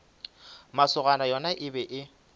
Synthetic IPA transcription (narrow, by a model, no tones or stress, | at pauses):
masʊɣanajɔnaʔɪbɛʔɪ